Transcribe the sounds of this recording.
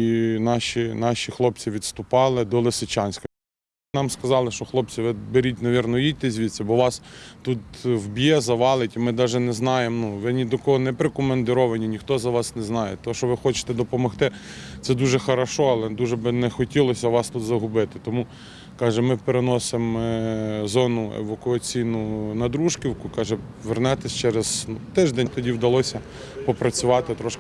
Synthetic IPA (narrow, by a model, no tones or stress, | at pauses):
nɑʃʲinɑʃʲixlˠɔpt͡sʲiʋʲid̪st̪ʊpɑlˠɪd̪ɔlˠɪsɪt͡ʃɑnʲsʲkɐ | nɑmskɐzɑlˠɪʃɔxlˠɔp̚t͡sʲiʋɪbeɾʲitʲnɐʋʲirnɔjid̚ʲt̪ezʲʋʲit̪sɛbɔʋɑst̪ut̪wbʲjɛzɐʋɑlˠɪtʲimɪd̪ɑʒɛnɛznɑjemnuʋɪnʲid̪ɔkɔɦɔnɛpɾekɔmend̪ɪɾɔʋɐnʲinʲixt̪ɔzɐʋɑsnɛznɑjɛt̪ɔɦɔʃɔʋɪxɔt͡ʃɪ̥t̪ɛd̪ɔpɔmɔxt̪ɪ | t̪sɛd̪uʒɛxɐɾɐʃɔɐlˠɛd̪uʒɛbɪnɛxɔtʲilˠɔsʲɐʋɑst̪ut̪zɐɦʊbɪt̪ɪt̪ɔmu | kɑʒɛmɪpeɾenɔsɪm | zɔnʊḛʋɐkʊɐt͡sʲijnʊnɐd̪ɾuʃkʲiwkʊkɑʒɛʋernɑt̪ɪsʲt͡ʃɛɾez̥nut̪ɪʒd̪ɛnʲt̪ɔdʲiwd̪ɐlˠɔsʲɐ | pɔpɾɐt͡sʲʊʋɑt̪ɪt̪ɾɔʃk